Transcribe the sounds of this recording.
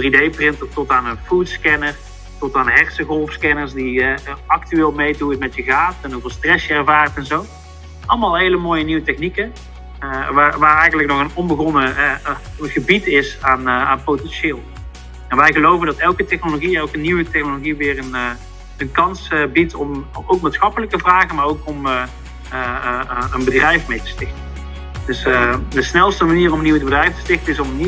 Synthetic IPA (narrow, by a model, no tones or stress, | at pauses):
dridejprɪntɔtɔtaːnənfutskɛnər | tɔtaːnəɦɛrsəɣɔlˠfskɛnəɹsdiɑk̚tyʋɪːlˠmejduɪtmɛtjəɣaːfɛnɦuvɪːlˠstrɛsjəɛɹvaːrtɛnzow | ɑlˠmaːlˠɦejləmoːjəniwətɛχnikə | ʋaːʋaːɹɛjɣəndlək̚nɔχənɔmbəɣɔnəɛɣəbitɪsaːnaːnpowtɛnʃɪːlˠ | ɛnʋɛjɣəlowvəndɑtɛlˠkətɛχnoloɣiɛlˠkəniwətɛxnoloɣiʋɪːrən | ənkɑnsbitɔmowk̚maːtsχɑpələktəvraːɣənmaːɹowkɔm | ənbədrɛjfmejtə̥stɪxtən | dɵsdəsnɛlˠstəmaniːrɔmənːiwədbədrɛjftə̥stɪxtənɪsɔməni